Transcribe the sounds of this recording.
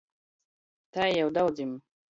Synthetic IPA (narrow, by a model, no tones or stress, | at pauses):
t̪ajjawd̪awd̪im